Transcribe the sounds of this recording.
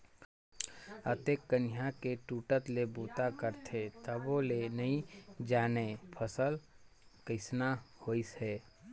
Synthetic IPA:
ət̪eːkːənɪjakeʈuːʈət̪lebuːt̪akəɾt̪ʰet̪əbolenɐĩd͡ʒaːnepʰəsəl | kɪsnahoːisɛː

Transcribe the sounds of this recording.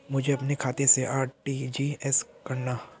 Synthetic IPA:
mʊd͡ʒʱeɐpnekʰaːt̪eseʔaːɾʈid͡ʒiːɛskɐɾna

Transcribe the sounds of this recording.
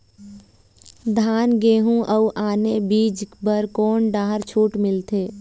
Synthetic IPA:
d̪ʱaːnɡeːɦũʔəuʔaːnebiːd͡ʒbəɾkoːnɖaːɦəɾt͡ʃʰuːʈmɪlt̪ʰeː

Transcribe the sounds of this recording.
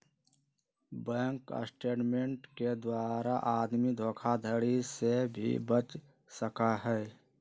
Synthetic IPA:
bɛ̃ːŋkə̰sʈeːʈmẽɳʈked̪waːɾaʔaːd̪mid̪ʱoːkʰad̪ʱəɽisebʱḭbət͡ʃ | səkaɦɛː

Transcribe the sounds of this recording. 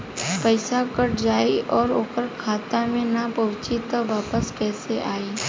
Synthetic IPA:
pəɪsakəʈd͡ʒaːiʔɔːɾoːkəɾkʰaːt̪amẽnapɐʋɪt͡ʃit̪ʋaːpəskɛːseʔaːiː

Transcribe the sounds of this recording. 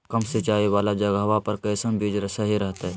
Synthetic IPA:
kəmsɪt͡ʃaːiwaːlad͡ʒɐɡaɦʋapɐɾkəːsəmbʱeːd͡ʒɾəsaɦiɾəɦt̪aɦɛː

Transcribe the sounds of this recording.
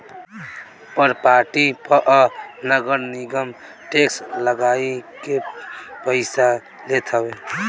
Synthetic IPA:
pəɾpaɾʈipəʔanəɡəɾniɡəm | ʈeksləɡaikepəɪsa | let̪ʰəbe

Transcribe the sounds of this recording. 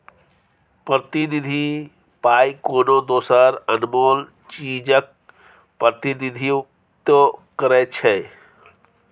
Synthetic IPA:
pɾət̪inid̪ʱi | paːikoːnod̪oːsəɾənmoːl | t͡ʃiːd͡ʒək̚ | pəɾt̪inid̪ʱi | t̪okəɾɛt͡ʃʰɛ

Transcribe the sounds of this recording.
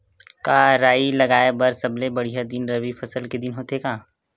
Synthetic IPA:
kaːɾaːilɐɡaːebɐɾsɐblebɐɽ̤ijad̪ɪnɾɐʋifʰɐsəlked̪ɪnɦot̪ekaː

